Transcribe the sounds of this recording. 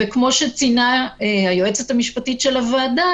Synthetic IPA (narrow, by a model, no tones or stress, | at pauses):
ekmo̞ʃet͡sinaeajoet͡sethamiʃpatitʃelavaːda